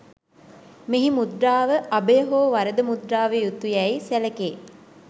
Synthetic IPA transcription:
meɦimud̪ɾaːʋəʔabəjəɦoːʋaɾəd̪əmud̪ɾaːʋejut̪ːujɛjsæləkeː

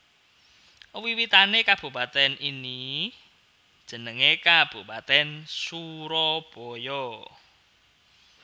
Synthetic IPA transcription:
wiwit̪anekab̥ṳpat̪ɛnini | d̥ʒ̥ə̤nəŋekab̥ṳpat̪ɛnsuɾɔb̥ɔjɔ

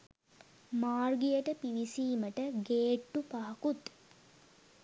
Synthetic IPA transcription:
maːrɡijəʈəpiʋisiːməʈəɡeːʈːupaːkut̪

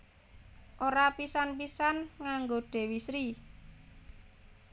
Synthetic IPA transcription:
ʔoɾapisanpisanŋaŋɡoɖ̥e̤wisɾi

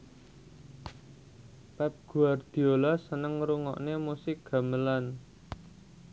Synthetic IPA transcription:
pɛp̚ɡ̥ṳard̪̥i̤olasənəŋɾuŋɔ̰ʔnemusɪk̚ɡ̥ä̤məlan

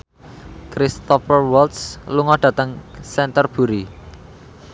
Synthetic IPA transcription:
kɾist̪ɔfərwɔlt̪sluŋɔɖ̪̥ä̤t̪əŋsɛnt̪ərb̥ṳɾi

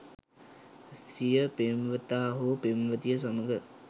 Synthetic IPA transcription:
sijəpemʋət̪aːɦopemʋət̪ijəs̬aməɡə

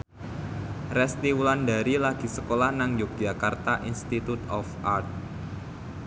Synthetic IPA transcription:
rɛst̪iwulanda̤ɾilaɡ̥i̤səkolahnaŋjuk̚d̥ʒ̥a̤kart̪aʔinst̪it̪ut̪ɔfʔart̪̚

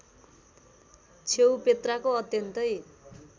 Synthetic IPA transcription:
t͡sʰewpet̪rakoʌt̪jʌnt̪ʌj

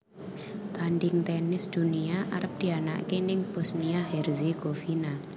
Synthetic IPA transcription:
t̪anɖɪŋt̪ɛnɪsd̪̥ṳniaʔaɾəp̚d̪̥i̤ana̰kenɪŋb̥ɔsniaɦɛrzeɡ̥ofina

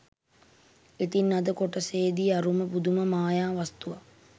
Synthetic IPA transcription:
et̪inːad̪əkoʈəseːd̪iaɾuməpud̪uməmaːjaːʋast̪uʋa

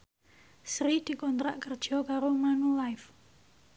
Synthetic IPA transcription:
sɾid̪̥i̤kɔnt̪ɾaʔkərd̥ʒ̥ɔ̤kaɾomanulaɪf

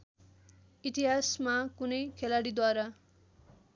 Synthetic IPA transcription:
it̪iɦasmakunʌjkʰelaɽid̪waɾa

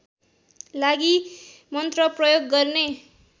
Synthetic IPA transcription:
laɡi | mʌnt̪rʌprʌjoɡːʌrne

